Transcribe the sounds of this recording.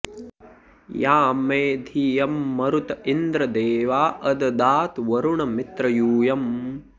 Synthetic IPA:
jaːmeːd̪ʱijɐmːɐɾut̪ind̪ɾɐd̪eːʋaːʔɐd̪ɐd̪aːt̪ʋɐɾuɳɐmit̪ɾɐjuːjɐm

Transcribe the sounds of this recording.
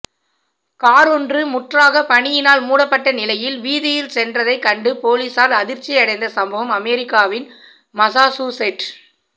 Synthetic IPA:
kaːɾɔndrɯmʊʈraːɣɐpɐɳɪjɪnaːlmuːɽɐpːɐʈːɐnɪlɐjɪlʋiːðɪjɪlsɛndrɐðɐɪkɐɳɖɯpoːliːsaːlɐðɪɾt͡ʃːɪɐɽɐɪnd̪ɐsɐmbɐʋɐmɐmɛɾɪkːaːʋɪn | mɐsaːsuːsɛʈ

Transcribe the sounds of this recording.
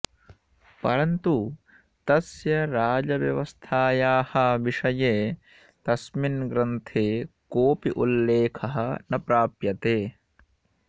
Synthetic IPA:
pɐɾɐnt̪u | t̪ɐsjɐɾaːd͡ʒɐʋjɐʋɐst̪ʰaːjaːhɐʋiʂɐjeː | t̪ɐsminɡɾɐnt̪ʰeːkoːpiʔulːeːkʰɐɦɐ̆nɐpɾaːpjɐt̪eː

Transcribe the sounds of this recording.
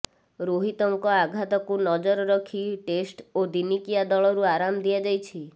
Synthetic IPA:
ɾoɦit̪ɔŋkɔaɡʱat̪ɔkunɔd͡ʒɔɾɔɾɔkʰiʈesʈod̪inikijad̪ɔɭɔɾuaɾamd̪iad͡ʒajt͡ʃʰi

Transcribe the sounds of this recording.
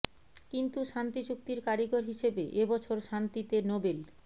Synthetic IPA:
kint̪uʃant̪id͡ʑuk̚t̪iɾkaɾiɡoɾɦiʃebeʔebɔt͡ɕʰoɾʃant̪it̪enobel

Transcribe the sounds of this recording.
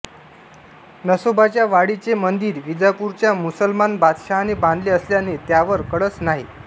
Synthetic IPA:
nəsobat͡ɕjaʋaɽit͡semənd̪iːɾʋid͡zapuɾt͡ɕjamusəlmanbad̪ɕaɦanebãnd̪leəsljanet̪jaʋəɾkəɽət͡snaɦḭ

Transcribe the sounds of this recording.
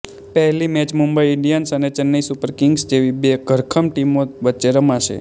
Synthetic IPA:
pəɦlimɛt͡ʃmumbəiɪɳɖijənsənet͡ʃənːəisupəɾkɪŋɡsd͡ʒeʋibeɡʱəɾkʰəmʈimoʋətːt͡ʃeɾəmaʃḛ

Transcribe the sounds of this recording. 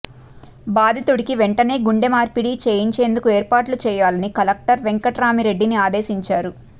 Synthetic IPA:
baːd̪ʱit̪uɽikiʋeɳʈɐne̞ːɡuɳɖemaːɾpiɽit͡ʃeːjiɲt͡ʃe̞ːnd̪ukueːɾpaːʈlut͡ʃɛːjaːlɐnikɐlɐk̚ʈɐɾʋeŋkɐʈɾaːmiɾe̞ɖːiniaːd̪e̞ːsiɲt͡ʃaːɾu

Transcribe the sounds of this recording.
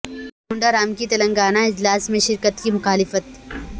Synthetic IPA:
ɡʊ̃ɳɖaɾaːmkit̪ɐlə̃ŋɡaːnaɪd͡ʒlaːsmẽʃɪɾkət̪kimʊxaːlɪfət̪

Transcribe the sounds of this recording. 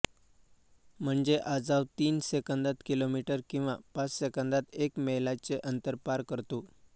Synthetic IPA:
m̤əɳd͡zeʔad͡zaʋt̪iːnsekənd̪at̪kilomiʈəɾkĩw̃ʋapat͡sɕekənd̪at̪ekmeɦlat͡seʔənt̪əɾpaɾkəɾt̪o

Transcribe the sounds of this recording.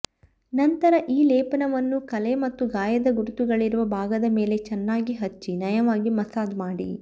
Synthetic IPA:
nɐnt̪ɐɾɐʔiːlɛːpɐnɐʋɐnːukɐlemɐt̪ːuɡaːjɐd̪ɐɡuɾut̪uɡɐɭiɾuʋɐbʱaːɡɐd̪ɐme̞ːle̞t͡ʃɛnːaːɡiɦɐt͡ʃːinɐjɐʋaːɡimɐsaːd̪maːɽḭ

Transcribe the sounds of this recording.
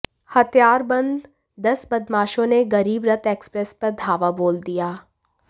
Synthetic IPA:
hɐt̪jaːɾbɐ̃nd̪ː | ɐsbɐd̪maːʃõneɡɐɾiːbɾɐt̪eːkspɾɛspɐɾd̪ʱaːʋaboːld̪ijaː

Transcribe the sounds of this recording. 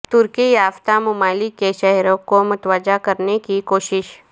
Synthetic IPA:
t̪ʊɾkijaːʋt̪amʊmaːlikːeʃɛɦɾõkomʊt̪waːd͡ʒakɐɾnekikoːʃɪʃ

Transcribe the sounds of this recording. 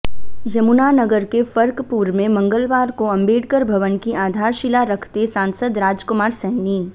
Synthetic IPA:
jɐmunanəɡəɾkefɐɾkpuːɾmẽmɐ̃ŋɡəlʋaːɾkoɐ̃mbeːɽkəɾbʱɐʋənkiaːd̪ʱaːɾʃɪlaɾɐkʰt̪esãːnsəd̪ɾaːd͡ʒkʊmaːɾsəɦniː

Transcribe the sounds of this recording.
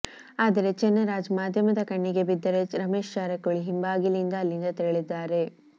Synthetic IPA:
aːd̪ɐɾe̞t͡ʃɛnːɐɾaːd͡ʒmaːd̪ʱjɐmɐd̪ɐkɐɳːiɡe̞bid̪ːɐɾed͡ʒɾɐmeːʃt͡ʃaːɾɐkoɭiɦimbaːɡilind̪ɐːlːind̪ɐt̪eɭid̪ːaːɾe̞

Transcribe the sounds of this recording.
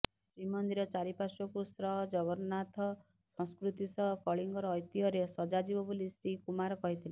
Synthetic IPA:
sɾimɔnd̪iɾɔt͡ʃaɾipasɔkusɾɔɦd͡ʒɔβɔɾnat̪ʰɔ | sɔ̃skɾut̪isɔkɔɭiŋɡɔɾɔːjt̪iɦɔɾesɔd͡ʒad͡ʒibɔbulisɾikumaɾɔkɔɦit̪ʰile

